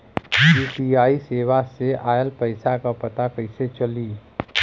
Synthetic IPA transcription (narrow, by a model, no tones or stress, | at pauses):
piːpiaːiseːʋaseʔaːjəlpəɪsakapɐt̪akəɪset͡ʃəliː